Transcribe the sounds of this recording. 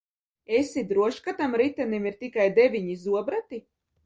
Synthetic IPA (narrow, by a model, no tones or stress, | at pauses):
esid̪ɾuɔʃkat̪amɾit̪ɛnimiɾt̪ikajd̪evʲiɲizuɔbɾat̪i